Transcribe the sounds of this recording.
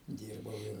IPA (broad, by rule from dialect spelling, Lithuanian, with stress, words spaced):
ˈdʲiːrbɐʊ ɪr